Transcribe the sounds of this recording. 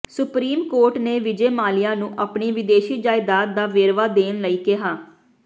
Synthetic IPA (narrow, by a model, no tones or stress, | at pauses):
sʊpɾiːmkoːɾʈneːʋɪd͡ʒeːmaːlɪjaːnũːʔapɳiːʋɪd̪eːʃiːd͡ʒaːɪd̪aːt̪̚d̪aːʋeːɾʋaːd̪eːnləiːkɪɦaː